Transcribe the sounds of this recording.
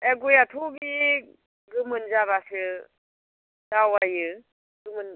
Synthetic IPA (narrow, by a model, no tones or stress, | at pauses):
eɡujatʰuɡi | ɡɯmɯnd͡ʒaβasɯ | d̥awajɯ | ɡɯmɯn